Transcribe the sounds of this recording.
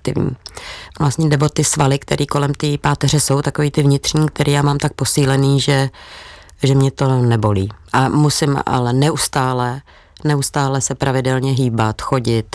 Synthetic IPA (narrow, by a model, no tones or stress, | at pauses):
t̪ɪ̰vɲḭːvlast̪ɲɛdɛbo̞t̪ɪsvalɪkt̪ɛɾʔiːko̞lɛmt̪ɪpaːt̪ɛr̝ɛso̞wt̪ako̞viːt̪ɪvɲɪt̪r̝̥ɲiːk̚t̪ɛɾʔiːjaːmaːmt̪ak̚po̞siːlɛniːʒɛ | ʒɛmɲɛt̪o̞nɛbo̞lḭːʔamusɪmʔa̰lɛnɛʔust̪aːlɛ | nɛust̪aːlɛsɛpɾavɪdɛlɲɛɦiːbat̪xo̞ɟɪt̪